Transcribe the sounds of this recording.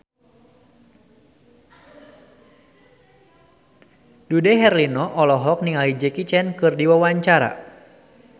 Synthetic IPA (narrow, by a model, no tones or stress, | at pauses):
dudɛɦɛrlinɔʔɔlɔɦɔk̚niŋalid͡ʒɛkit͡ʃɛnkɨrdiwawaɲt͡ʃaɾa̰